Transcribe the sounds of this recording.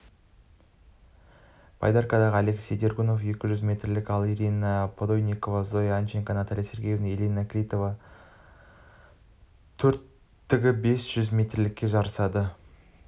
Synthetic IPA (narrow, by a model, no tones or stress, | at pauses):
b̥ɑ̰jd̪ɑɾkad̪ɑʁəɑle̞ksʲe̞jd̪e̞rɡʲuno̞fje̞kʲɪʒʏzmʲe̞t̪rlɪkɑlˠeɾʲijnapʰod̪ojnʲiko̞vazo̞janeŋkanat̪alʲijse̞ɾɡʲejevnɪelʲinakʲlʲijt̪o̞vɑ | t̪ʰɵɾt̪ː | ɪɡʲɪbe̞sʒ̥ʏzmʲe̞t̪rlɪkʲːe̞ʒɑɾəsɑd̪ə